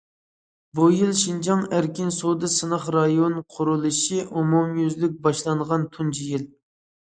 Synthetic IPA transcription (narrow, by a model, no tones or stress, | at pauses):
bujilˠʃind͡ʒɑŋæɾkʲinsod̪ɨsɨnəχɾɑjonqʰʊɾulˠɨʃiʔumumjyzlyk̚ʲbɑʃlˠɑɴʁɑnt̪ʰund͡ʒʰijil